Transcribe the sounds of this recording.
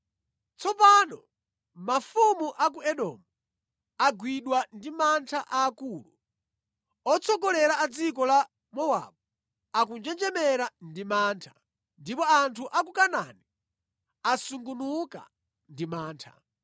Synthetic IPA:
t͡sɔpanɔ | mafumuʔak̬uɛɗɔ̰ːmu | aɡwiɗwandimantʰaʔaːkuːlṵ | ɔt͡sʰɔkɔlɛɾaːd͡zikɔla | mɔwa̰ːɓɔ | akund͡ʒɛnd͡ʒɛmɛɾandimaːntʰḁ | ndipɔantʰuʔak̬ukanani | asuŋɡunuka̰ | ndimaːntʰa̰

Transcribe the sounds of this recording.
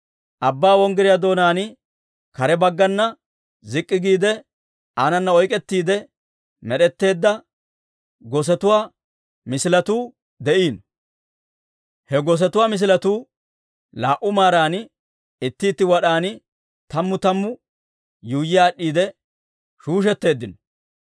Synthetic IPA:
ʔɐbːaːwɔŋɡɪɾɪjaːd̪o̞ːnaːnɪ | kɐɾɛbɐɡːɐnːɐ | zɪkʼːɪɡiːd̪ɛ | aːnɐnːɐɔjkʼɛt̪ːiːd̪ɛ | mɛɗɛt̪ːe̞ːd̪ːɐ | ɡɔs̬ɛt̪ʊwaː | mɪsɪlɐt̪uː | d̪ɛʔiːn | hɛɡɔs̬ɛt̪ʊwaːmɪs̬ɪlɐt̪uː | laːʔʊmaːɾaːnɪ | ɪt̪ːiːt̪ːɪwɐɗaːnɪ | t̪ɐmːʊt̪ɐmːʊ | juːjːɪjaːɗːiːd̪ɛ | ʃuːʃ̬ɛt̪ːe̞ːd̪ːɪnɔ

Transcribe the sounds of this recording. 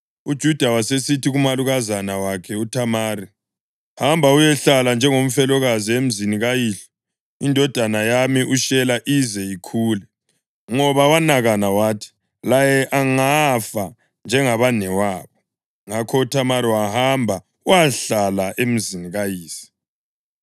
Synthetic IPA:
ud̥ʒ̥ʱud̥ʱawasesitʰiɣumaluɣazanawakʰɛutʰamaːri | hambʱaujɛɬaland͡ʒʱɛŋom̩fɛlɔɣaziem̩ziniɣajiɬɔ̥ | indʱɔd̥ʱanajamiʔuʃɛlaʔizɛjikʰuːlɛ | ŋɔβawanaɣanawaːtʰi̥ | lajɛʔaŋafa | nd͡ʒʱɛŋaβanɛwaːβɔ | ŋakʰɔutʰamaɾiwahambʱa | uaɬalaʔem̩ziniɣajiːsi̥

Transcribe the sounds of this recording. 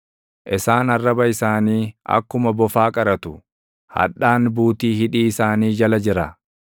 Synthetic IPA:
ʔɪsaːnɐrːɐbɐɪsaːniːʔɐ̰kːʊmɐbɔfaːkʼɐɾɐt̪ʊ | hɐ̰ᶑːaːnbuːt̪iːhɪᶑiːɪsaːniːd͡ʒɐlɐd͡ʒɪɾɐ

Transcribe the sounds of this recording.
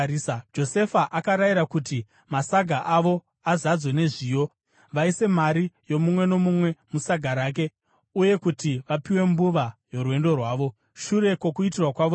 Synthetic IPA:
isad͡ʒo̞se̞faʔakaɾajiɾakuti | masaɡʱaʔaʋo̞ | azad͡zwene̞ʐiːjo̞ | ʋaise̞maɾijo̞mumwe̞no̞mumwe̞musaɡʱaɾaːk̬e̞ | uje̞kutiʋapiwe̞mbuʋajo̞ɾwe̞ndo̞rwaːʋo̞ | ʃuɾe̞ko̞kuitirwakwaʋo

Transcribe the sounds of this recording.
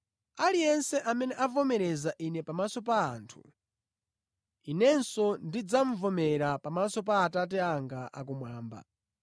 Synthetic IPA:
alijɛnsɛʔamɛnɛʔavɔmɛɾɛzaʔinɛpamasɔp̬aːntʰu̥̰ | inɛnsɔndid͡zaɱ̩vɔmɛɾapamasɔp̬aːtat̬ɛaŋɡaʔa̰k̬umwaːmba̰

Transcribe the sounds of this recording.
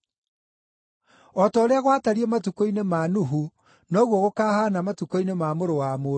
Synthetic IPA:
ɔtɔːɾeaɣwataɾiɛmatukoinemaːnuɦu | nɔɣwoɣokaːhaːnamatukoinemamoɾowamo

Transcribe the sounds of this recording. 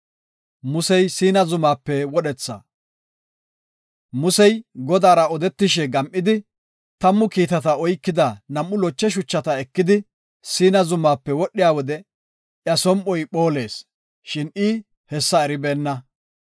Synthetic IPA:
mʊsɛjsiːnɐzʊmaːpːɛwɔɗɛt͡sːɐ̰ | mʊsɛjɡɔd̪aːɾɐɔd̪ɛt̪ːɪʃɛɡɐmʔɪd̪ɪ | t̪ɐmːʊkiːt̪ɐt̪ɐɔjkːɪd̪ɐnɐmʔːʊlɔt͡ʃːɛʃ̬ʊt͡ʃːɐt̪ɐɛkːɪd̪ɪ | siːnɐzʊmːaːpːɛwɔɗːɪjaːwɔd̪ɛ | ʔjɐsɔmʔɔjɓoːle̞ːs | ʃɪnɪː | hɛsːɐɛɾɪbeːnːɐ

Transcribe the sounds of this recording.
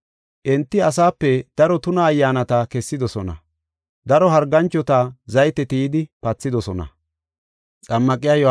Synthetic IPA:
ʔɛnt̪ːɪɐs̬aːpːɛd̪̥ɐɾɔt̪ʊnɐːjːaːnɐt̪ɐkɛsːɪd̪ɔsɔnɐ̰ | d̪ɐɾɔɦɐɾɡɐnt͡ʃːɔt̪ɐzɐjt̪ɛt̪ijɪd̪ɪpɐt͡sːɪd̪ɔsɔnɐ̰ | t͡sʼɐmːɐkʼɪjaːjɔ

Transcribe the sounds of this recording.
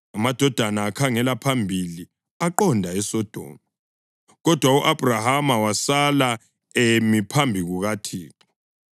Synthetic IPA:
amad̥ʱɔd̥ʱanaːkʰaŋɛlapʰambʱili | aǃɔndʱaɛsɔd̥ʱɔ̰mu | ɣɔd̥ʱwauʔab̥ʱrahamawasala | emipʰambʱiɣuɣatʰiːǁɔ

